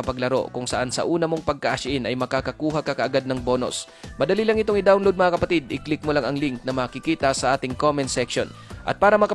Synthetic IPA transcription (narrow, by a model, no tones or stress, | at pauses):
ɐpɐɡlɐɾo̞̰kʊŋsɐ̰ʔansɐ̰ʔuːnɐmo̞ŋpɐɡ̚kɐʔɐʃʔɪnʔɐjmɐkaːkɐkuːɦɐkɐkɐʔɐɡad̪̚nɐŋbo̞ːno̰s | mɐd̪ɐlilɐŋɪt̪oŋɪd̪awnlod̪̚mɐŋɐkɐpɐt̪id̪ʔɪklɪk̚molaŋɐŋliŋk̚nɐmɐːkɪkiːt̪ɐsɐʔaːt̪ɪŋkomɛnsɛkʃo̰nʔɐ̰t̪̚paːɾɐmɐkɐ